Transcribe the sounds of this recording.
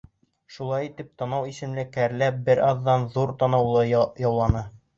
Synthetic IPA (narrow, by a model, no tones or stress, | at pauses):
ʃulˠɑjit̪ɘp̚t̪ɑnɑwisɘ̆mlɘkæɾlæp̚bɘɾɑðːɑnðuɾt̪ɑnɑwlˠɤjɒwlˠɑnɤ